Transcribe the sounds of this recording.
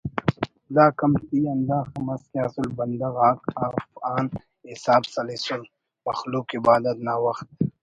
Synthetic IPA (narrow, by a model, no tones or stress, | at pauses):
laːkɐmt̪iːɐnd̪aːxɐmɐskaːsulbɐnd̪ɐɣaːkafaːn | isaːbsɐlisul | mɐxluːkibaːd̪ɐt̪naːwɐxt̪̚